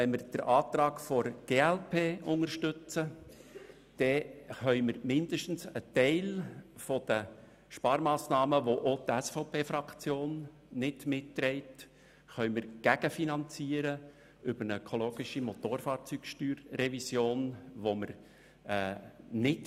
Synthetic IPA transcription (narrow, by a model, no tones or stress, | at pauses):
ɛnməɾd̥əɾʔɑːt̪ɾɑːkfoɾɡ̥eːɛlpʰeːʔʊŋərʃtʏt͡sə | d̪̥ɛχœʏməɾmɪndəʃtn̩sətɛɪlfod̥ə | ʃpɑːɾmɑːsnɑːməʋoʔot̪æsfoʊpʰeːfɾɑkt͡sjoːnː | ɪd̥mɪttːɾɛɪt | χœʏməɾɡ̥æɡ̥əfinɑnt͡siːəɾə | ʏbəɾnəœkʰoloːɡ̥ɪʃimot̪oːɾfɑːɾt͡syːkʃtyːɾːɛvisjoːnʋoməɾ | ɛːnɪt